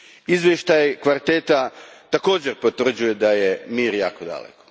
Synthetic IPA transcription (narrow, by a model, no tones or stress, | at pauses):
izʋʲjeʃt̪ajkʋalit̪et̪at̪ako̞ːd͡ʑeɾpot̪ʋr̩d͡ʑuje̞d̪ajemiːɾja̰ːkod̪a̰lḛko̥